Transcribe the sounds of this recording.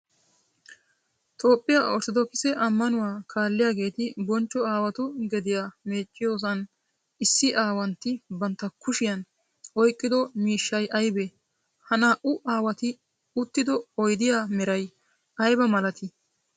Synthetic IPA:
t̪o̞ːpʼːɪjaːʔɔɾt̪ɔd̪ɔkɪsɛʔɐmːɐnʊwaːkʰaːlːɪjaːɡe̞ːt̪ɪbɔnt͡ʃːɔaːwɐt̪ʊɡɛd̪ɪjaːme̞ːt͡ʃʼːɪjo̞ːs̬ɐn | ɪsːɪʔaːwɐnt̪ɪbɐnt̪ːɐkʊʃɪjɐn | ɔjkʼːɪd̪ɔmiːʃːɐjʔɐjbe | hɐnaːʔʊʔaːwɐt̪ɪ | ʊt̪ːɪd̪ɔɔjd̪ɪjaːmɛɾɐj | ɐjbɐmɐlɐt̪ɪ

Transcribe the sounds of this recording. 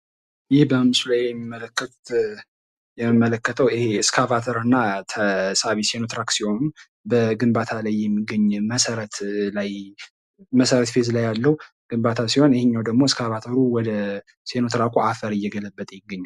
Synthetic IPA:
jɪhbəmɨsulajɛmːimːələkːət̪ | jɛmimːələkːət̪ʰəwɪheɨskʰavat̪ʰəɾɨnːat̪ʰəsaβisenot̪ɾaksiho̞nu | bəɡɨmbat̪ʰalajːɛmːiɡːəɲːməsəɾət̪laj | məsəɾət̪fezlajalːəhu | ɡ̥ɨmbat̪ʰasiho̞nɪheɲːawd̪əɡmo̞skʰavat̪ʰəɾuwɔd̪ə | se̞not̪ɾakʼuafəɾɨjːɛɡələbːət̪ʼjɪɡːəɲːa

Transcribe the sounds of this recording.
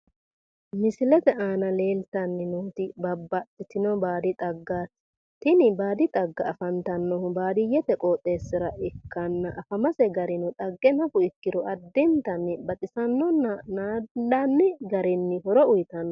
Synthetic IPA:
mɪsɪlɛt̪ɛʔaːnɐleːlt̪ɐnːɪnuːt̪ɪbɐbːɐt̪ːɪt̪ɪnɔbaːd̪ɪt̪ʼɐɡːaːs | t̪ɪnɪbaːd̪ɪt̪ʼɐɡːɐːfɐnt̪ɐnːɔhʊbaːd̪ɪjɛt̪ɛkʼoːt̪ʼːe̞ːsːɪɾɐʔɪkːɐnːɐʔɐfɐmɐsɛɡɐɾɪnɔt̪ʼɐɡːɛnɐfʊɪkːɪd̪ɔʔɐd̪ːɪnt̪ɐnːɪbɐt̪ʼɪsɐnːɔnnaɐnːɪɡɐɾɪnːɪhɔɾɔʊjɪt̪ɐnːɔ

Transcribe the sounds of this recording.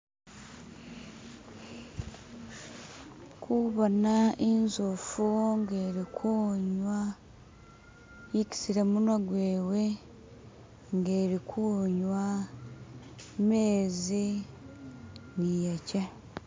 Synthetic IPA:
kʰuβonaʔinzofuŋɡeːɾikʰuːɲwa | ici̥siɾemunaɡweːwe | ŋɡe̞ːɾikʰuɲwa | meːzi | nijaca

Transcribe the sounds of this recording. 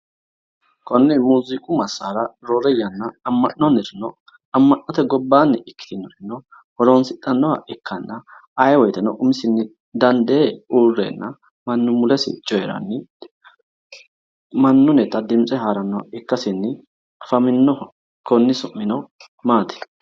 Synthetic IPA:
kɔnːɪmuːzɪkʼʊmɐsːaːɾɐɾoɾɛjɐnːɐːmːɐʔɔnɪɾɪnɔ | ɐmːɐnːɔt̪ɛɡɔbːaːnːɛʔɪkːɪ̥t̪ɪnːɔɾɪnːɔ | hɔɾonsɪt̪ʼːɐnːɔhɐ̰ʔɪkʰːɐnːɐɐjwɔjt̪ɛnɔʔʊmɪsɪnːɪ | d̪ɐnd̪eːuːrːḛnːɐ | mɐnːʊmʊlɛsɪ̰t͡ʃʼɔjɛɾɐ̰nːɪ | mɐnːʊnɛt̪ɐd̪ɪmt͡sʼɛɦaːɾɐnːɔhɐ̰ʔɪkːɐsɪnːɪ | ɐfɐmɪnːɔh | kɔnːɪsʊmːɪnɔ | maːt̪ɛ̥

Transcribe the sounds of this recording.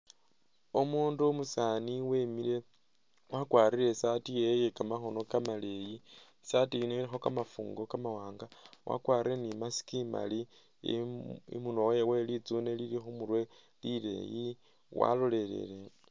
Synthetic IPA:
omuːndumusaːniwemile̞ | wakwaːriɾe̞satijejekamaxo̞no̞kamale̞ji | satiineiɾixokamafṵːŋɡo̞kamawaːŋɡawa̰kwaːriɾenimasi̥kima̰li | ḭmunowjewe̞lit͡sune̞liɾixomuɾwe̞ | lile̞̰ji | wa̰lo̞le̞le̞̰le

